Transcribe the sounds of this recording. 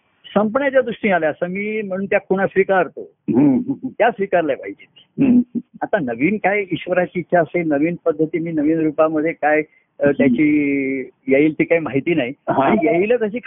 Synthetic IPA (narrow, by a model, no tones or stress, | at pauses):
səmp̬ɳjat͡ɕjad̪uʂʈĩaleəsəmiːm̤əɽ̃uːnt̪jakʰuɽ̃asɾikaəɾt̪o | ɦt̪jasɾikaɾlajpaid͡ʑiːt̪ː | ɦat̪anəʋiːnkajiɕʋəɾat͡ɕiːt̪ːɕʰaəselnəʋiːnpəd̪ʱːət̪iːmiːnəʋiːnɾupaməd̪ʱːjekaj | ət̪jat͡ɕiː | jeiːlt̪ʰiːkaimaɦit̪iːnajɦaaɽ̃ijeilət̪jaɕiːkʰ